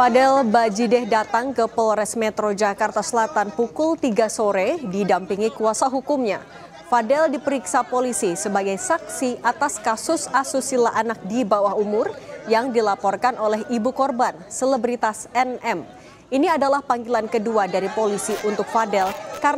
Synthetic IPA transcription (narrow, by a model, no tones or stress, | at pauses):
fadɛlbad͡ʒidɛhdat̪aŋkəpɔlɾɛsmɛt̪ɾod͡ʒakart̪asəlat̪anpukʊlt̪iɡasoɾɛdidampiŋikuasaɦukumɲa̰ | fadɛldipəɾiksapolisisəbaɡajsak̚siʔat̪askasʊsasusilaʔanak̚dibawahumʊrjaŋdilapɔrkanolɛhibukɔrbansələbɾit̪asɛnɛm | iniadalahpaŋɡilankəduadaɾipolisiʔunt̪ʊk̚fadɛlka